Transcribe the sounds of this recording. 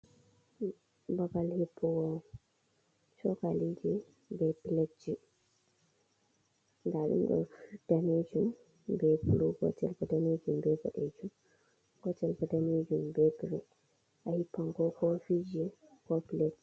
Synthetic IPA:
babalhipʰːɔwɔ | sɔkalid͡ʒi | bɛpiled͡ʒi | ŋɡaɗṵmɡɔ̰fd̥amed͡ʒum | bɛpuluɡɔ̰tɛ̰lkɔdamed͡ʒumbɛbɔ̰ɗed͡ʒum | ɡɔtːɛlkɔdamed͡ʒumbɛpulu | ʔahipːaŋɡɔkɔfid͡ʒɛ | kɔpiletd͡ʒ

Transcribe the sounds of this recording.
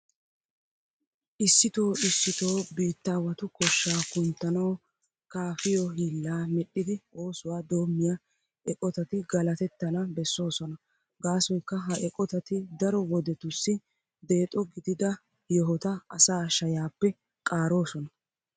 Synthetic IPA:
ʔɪsːɪt̪o̞ːɪsːɪt̪o̞ːbiːt̪ːaːwɐt̪ʊkɔʃːaːkʊnt̪ːɐnɐw | kaːfɪjɔɦiːlːaːmɛɗːɪd̪ɪo̞ːsʊwaːd̪o̞ːmːɪja | ɛkʼɔt̪ɐt̪ɪɡɐlɐt̪ɛt̪ːɐnɐbɛsːo̞ːsɔnɐ | ɡaːsɔjkːɐɦɐʔɛkʼɔt̪ɐt̪ɪd̪ɐɾɔwɔd̪ɛt̪ʊsːɪ | d̪e̞ːt̪ʼɔɡɪd̪ɪd̪ɐ | jɔɦɔt̪ɐɐsaːʃɐjaːpːɛ | kʼaːɾo̞ːsɔnɐ

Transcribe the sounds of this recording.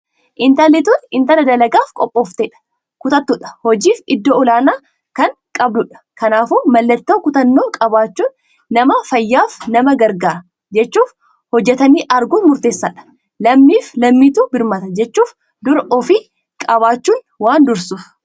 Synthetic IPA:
ʔɪnt̪ɐlɪt̪unɪnt̪ɐnɐd̪ɐlɐɡaːfkʼɔpʼːoːft̪eːᶑɐ̥ | kʊt̪ɐt̪ːʊᶑɐ̥hɔd͡ʒiːfɪd̪ːoɔlaːnaː | kɐŋkʼɐbdʊᶑɐ̥kɐnaːfuːmɐlːɐt̪ːoːkʊt̪ɐnːoːkʼɐβaːt͡ʃːuːnː | ɐmɐfɐjːaːfnɐmɐɡɐɾɡaːɾɐ | d͡ʒɛt͡ʃːuːf | hɔd͡ʒːɛt̪ɐniːʔɐɾɡʊmʊɾt̪e̞ːsːɐːᶑɐ̥ | lɐmːiːflɐmːiːt̪uːbɪɾmɐt̪ɐd͡ʒɛt͡ʃːuːf | d̪ʊɾʔɔfɪ | kʼɐβaːt͡ʃːuːn | waːnd̪ʊɾsʊf

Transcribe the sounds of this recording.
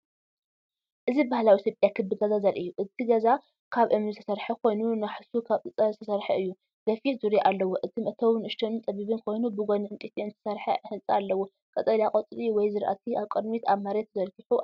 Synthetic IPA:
ʔɨzibahlawit̪ʰjopʼjakʰɨbːɨɡɐzazɐlʔɨjːuʔɨt̪ʰiɡɐza | kʰaβʔɨmnɨzɨt̪ʰɐsɐɾħɐkʰo̞jnunaħsukʰaβɨt͡sʼɐzɨt̪ʰɐsɐɾħɐɨjːu | ɡ̥ɐfit̪zuɾjiʔalːɐwoʔɨt̪ʰimɐt̪ʰɐwnɨʃt̪ʰɐnnt̪ʼɐβiβɨnkʰo̞jnubɨɡʷonɨɨnt̪ʼit̪ʰiɨnt̪ʰɨ̥sɐɾħɐ̰hɨnt͡sʼɐalːɐwo | kʼɐt̪ʼɐljakʼot͡s̪ʼɾiwɔjzɨɾʔa̰t̪ʰiaβkʼɨd̪mit̪ʰaβmaɾet̪zɐɾkiħu

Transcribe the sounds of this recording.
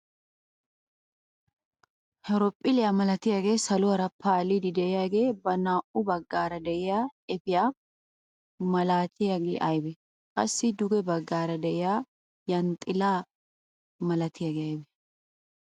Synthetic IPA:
hɛɾɔpʼːɪlɪjamɐlɐt̪ɪjaːɡe̞ːsɐlʊɐɾɐpʰaːlid̪ɪd̪ɛɪjaːɡe̞ːbɐnaːʔʊbɐɡːaːɾɐd̪ɛʔɪjaːɛfɪjaː | mɐlaːt̪ɪjaɡḛːʔɐjbɛ | kʼɐ̰sːɪd̪ʊɡɛbɐɡːaːɾɐd̪ɛʔɪjaː | jɐnt̪ʼːɪlaː | mɐlɐt̪ɪjaɡeːɐjbɛ

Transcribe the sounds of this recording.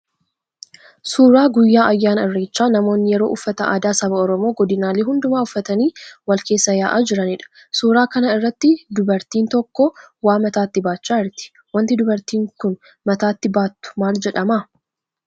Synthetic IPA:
suːɾaːɡʊjːaːʔɐjːaːnɐɪrːeːt͡ʃːaːnɐmo̞ːnːɪjɛɾo̞̰ːʔʊfːɐt̪ɐʔa̰ːd̪aːsɐbɐɔɾɔmo̞ːɡɔd̪ɪnaːleːɦʊnd̪ʊmaːʊfːɐt̪ɐniːwɐlkeːsːɐjaːʔaːd͡ʒɪɾɐnɪᶑɐ̥ | suːɾaːkɐnɐɪrːɐt̪ːɪd̪ʊbɐɾt̪iːnt̪ɔkːɔwaːmɐt̪aːt̪ːɪbaːt͡ʃːaːɪɾt̪ɪ̥ | wɐnt̪ɪd̪ʊbɐɾt̪iːŋkʊn | mɐt̪aːt̪ːɪbaːt̪ːʊ̥maːld͡ʒɛᶑɐmaː

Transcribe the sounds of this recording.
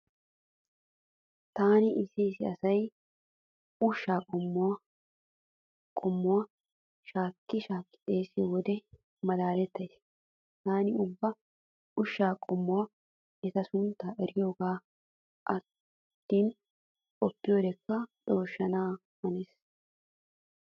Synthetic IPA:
t̪aːnɪʔɪsiːsɪɐsɐj | ʊʃːaːkʼɔmː | kʼɔmːʊwɐ | ʃaːkːɪʃaːkːɪ̥t̪ʼeːsɪwɔd̪ɛ | mɐd̪aːlɛt̪ːɐjs | t̪aːnɪʊbːɐ | ʊʃːaːkʼɔmːɔwɐ | ɛt̪ɐsʊnt̪ːaːʔɛɾɪjo̞ːɡaː | ʔɐt̪ | t̪ːiːn | kʼɔpːɪjoːd̪ɛkːɐᶑoːʃːɐnaː | mɐneːs

